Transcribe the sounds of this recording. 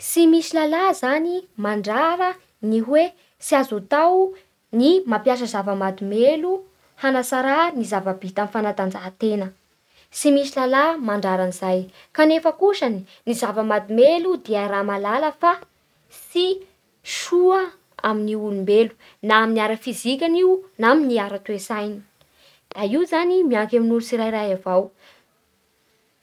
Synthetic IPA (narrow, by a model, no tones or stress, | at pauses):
simisilalazanimaɳɖ͡ʐaɾə | niɦwe | siazut̪aw | nimapjaʃ̬əzavəmad̪umelu | hanasaɾanizavəbit̪amfanat̪and͡zat̪enə | simisilalamaɳɖ͡ʐaɾanizaj | kanefəkuʃani | nizavəmad̪imelud̪eaɾamalaləfa | si | ʃuə | aminiulumbelu̥ | naaminaɾəfizikʲaniwnaminiaɾət̪uesajni̥ | d̪̥aiuzanimiaŋkeminulusiɾaiɾajavaw